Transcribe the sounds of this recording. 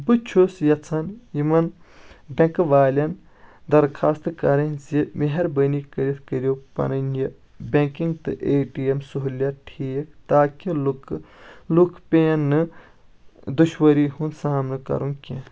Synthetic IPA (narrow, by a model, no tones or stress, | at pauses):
bɨt͡ʃʰusjɐt͡sʰɐnjimɐn | bʲɐ̃ŋkʋaːlʲɐn | d̪ɐɾkʰaːst̪ɨkɐɾɐnʲsimeɦɐɾbɐnikɐɾit̪ʰkəɾʲjoːpɐ̰nɐnjɐ | bʲẽŋkiŋɡt̪ɨʔeːʈiemsuɦulaʈʰiːkt̪aːkiluklukʰpʲeːɐnːɨ | d̪uʃwɐɾiːhunsaːmnɨkɐ̰ɾũŋkʲe